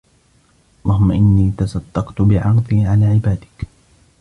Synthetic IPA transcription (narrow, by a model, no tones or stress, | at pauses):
lˤɑːɦʊmːaʔɪnːiːt̪asɑd̪ːɑqt̪ʊbɪʕɑɾd̪ˤiːʕalaːʕɪbaːd̪ɪk